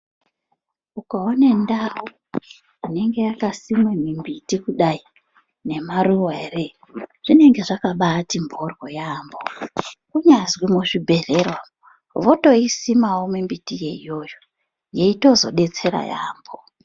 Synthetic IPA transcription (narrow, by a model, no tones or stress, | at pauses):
ukaone̞ndawu | ine̞ŋɡe̞jakasimemimbitikuɗai | ne̞maruwaere | ʐ̥ine̞ŋɡe̞ʐakaɓaːtimbʱorwojaːmbokuɲazwimuʐibʱe̞ɮerwa | ʋoto̞isimawomimbitije̞ijo̞ːjo | je̞ito̞zo̞̰ɗe̞t͡se̞ɾa̰ja̰ːmbo